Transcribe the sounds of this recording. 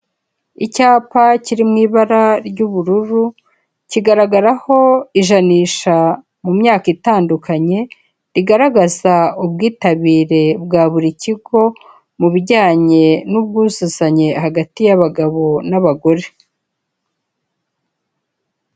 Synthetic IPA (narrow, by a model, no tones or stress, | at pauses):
icaːpaciɾimŋiːβaɾaɾɟuβuɾuɾu | ciɡaɾaɡaɾaho̞iʒaniːʃa | mumɲaːkitaːndukaɲe̞ | ɾiɡaɾaɡazaubɡiːtaβiːɾe̞bɡaːβuɾiciɡo̞ | muβiɟaːɲe̞nub̚ɡuːzuzaɲe̞haɡatijaβaɡaβo̞naβaɡo̞ɾe̞